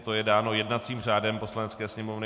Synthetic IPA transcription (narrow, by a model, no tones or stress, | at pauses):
t̪ojɛdaːno̞jɛdnat̪t͡siːmr̝aːdɛmpo̞slanɛt͡skɛːsɲɛmovnɪ